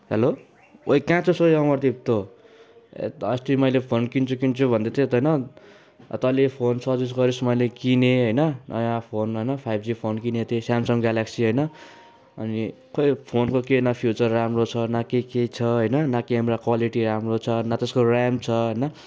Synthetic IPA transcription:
ɦelo | ojkãt͡sʰosʌjʌmʌrt̪ip̚t̪o | ḛʌst̪imʌjlepʰonkint͡sʰukint͡sʰubʱʌnd̪et̪ʰet̪ʌjnʌ̰ | t̪ʌlipʰonsʰʌd͡zis̬ɡʌɾismʌjlekineɦʌjnʌnʔʌ̰jãpʰonɦʌjnʌpʰajbd͡zipʰonkinet̪ʰesamsʌŋɡalaksiɦʌjnʌ | ʌni | kojpʰonkokenapʰjut͡sʌrːamrot͡sʰʌnakekejt͡sʰʌɦʌjnʌnakeɦamrakwaliʈiɾamrot͡sʰʌnat̪eskoramt͡sʰʌɦʌjnʌ

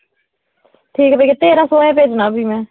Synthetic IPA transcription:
ʈʰiːktiːket̪eːɾãːsoːɛ̃ːpeːd͡ʒnãːbʱiːmɛ̃ː

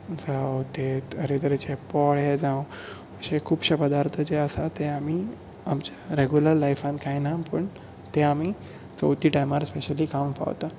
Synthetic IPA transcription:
sawt̪eəɾet̪əɾet͡ɕepɔɭed͡zãw | əɕekʰuːbɕapəd̪aɾt̪ʰəd͡ʑeəsat̪eami | amt͡ɕaɾeɡjuləɾlajfãnt̪kajnapəɳ | t̪eami | t͡sə̰wt̪iːʈajmaɾspeɕəliːkampa̰ʋt̪a

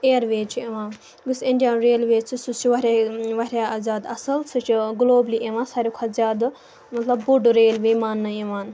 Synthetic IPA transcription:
eːɾʋeːt͡ʃʰieʋãː | ɡusẽndʲijaːnɾeːlʋeːt͡sʰisut͡ʃiʋɐɾʲeːʋɐɾʲaːazʲaːd̪ɐsɐlsɨt͡ʃʰiɡloːbliʔeʋãːnsaɾʲikʷʰɐzʲaːd̪ | mɐt̪lɐbːuɖɾeːlʋeːmaːnːɐeʋaːn

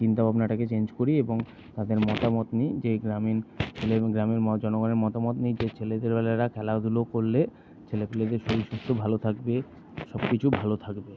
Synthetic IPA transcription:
t͡ɕint̪abʱabnaʈaket͡ɕend͡ʑkoɾieboŋ | t̪ad̪eɾmɔt̪amɔt̪nid͡ʑeɡɾamint͡ɕʰeleɡɾamiɾd͡ʑɔnoɡɔneɾmɔt̪amɔt̪nid͡ʑet͡ɕʰeled̪eɾbɛlaɾakʰɛlaod̪ʱulokoɾle | t͡ɕʰelepeled̪eɾʃobiʃust̪ʰobʱalot̪ʰakbe | ʃɔbkit͡ɕʰubʱalot̪ʰakbe

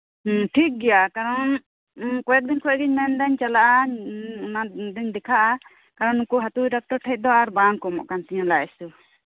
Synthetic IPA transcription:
ʈʰik̚ɡɛjakaɾɔn | kɔɛk̪̚d̪iɲkʰɔɛɡiɲmɛndaɲt͡ʃalaʔa | nad̪iɲd̪ɛkʰaʔa | kaɾɔnukuɦat̪uɖak̚ʈɔɾʈʰɛc̚d̪ɔaɾbankɔmɔ̰ʔkansiɲɔ̃laɛsu

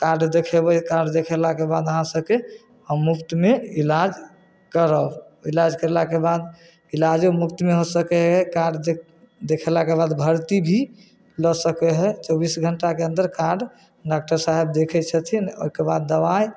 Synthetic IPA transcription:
kaɾɖd̪ekʰɛbɛkaɾɖd̪ekʰɛlakebad̪əɦãsəb̚ke | ɦəmːupt̪meilad͡ʒ | kəɾəb | ilad͡ʒkəɾelakebad̪ | ilad͡ʒomupt̪meɦosəkɛɦɛkaɾɖ | d̪ekʰɛlakebad̪bʱəɾt̪ibʱi | ləsəkɛɦɛt͡ʃəbisɡʱəɳʈakeənd̪əɾkaɾɖ | ɖak̚ʈəɾsaɦebd̪ekʰɛt͡ʃʰət̪ʰino̰ɦikebad̪̚ːəβaj

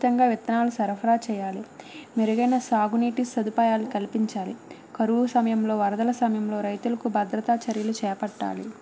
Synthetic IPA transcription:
t̪ɐŋɡaːʋit̪ːɐnaːlusɐɾpʰɐɾaːt͡ʃɛːjaːlimeɾuɡɐjnɐsaːɡuniːʈisːɐd̪upaːjaːlikɐlipiɲt͡ʃaːlikɐɾuʋusɐmɐjɐmlo̞ːʋɐɾɐd̪ɐlɐsɐmɐjɐmlo̞ːɾɐjt̪ulɐkubʱɐd̪ɾɐt̪aːt͡ʃɐɾjɐlut͡ʃɛːpɐʈːa̰ːlḭ

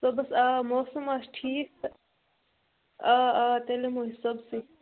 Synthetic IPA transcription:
soːbɐsaːmoːsɐmaːʃʈʰiːk̚ | aːt̪elemoːɦisɐbsi

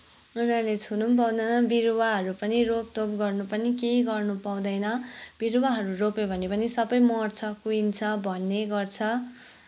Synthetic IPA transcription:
unalet͡sʰunump̬ʌw̃d̪ʌnʌbiɾuwaɦʌɾupʌnirop̚t̪opɡʌrnupʌnikeɡʌrnupaw̃d̪ʌjnʌb̥iɾuwaɦʌɾuropebʱʌnepʌnisʌbʌjmʌrt͡sʰʌkuint͡sʰʌbʱʌnːeɡʌrt͡sʰʌ

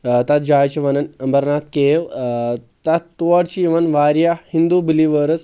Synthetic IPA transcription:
t̪ɐt̪̚d͡ʑajt͡ɕiʋɐnənɐmbəɾnat̪̚ʰkeʋ | t̪at̪t̪uʋaɽt͡ɕiʋənʋaɾjahind̪ubiliʋəɾət͡s

